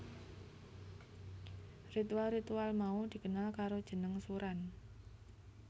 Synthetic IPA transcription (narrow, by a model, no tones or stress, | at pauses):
rit̪ualrit̪ualmaud̪̥i̤kənalkaɾod̥ʒ̥ə̤nəŋsuɾan